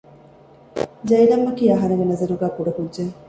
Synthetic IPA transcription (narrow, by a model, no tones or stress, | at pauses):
d͡ʒɐjlɐmːɐkiːɐɦɐnɐɡenɐzɐɾuɡæːpuɖɐkudd͡ʒeŋ